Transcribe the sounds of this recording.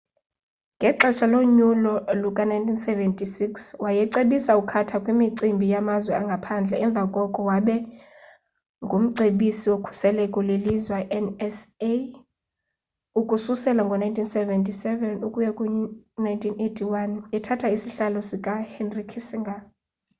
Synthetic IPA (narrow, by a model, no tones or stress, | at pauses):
ŋɡʱɛǁɛʃʰaloɲulɔlukʼanajntʰinsɛvɛntʼisikswajɛǀeɓisaukʰatʰakʼwimiǀimbʱijamazwɛaŋɡʱapʰand͡ɮʱɛɛɱb̪vʱakʼɔkʼɔwaɓɛ | ŋɡʱum̩ǀeɓisiwokʰu̥sɛlɛkʼɔlelizwaʔɛnɛse | ukʼususɛlaŋɡʱɔnajntʰinsɛvɛntʰʼisɛvɛnukʼujakʼunajntʰinetʰiwanɛtʰatʰaisiɬalɔsikʼahɛnrikʰisiŋɡʱa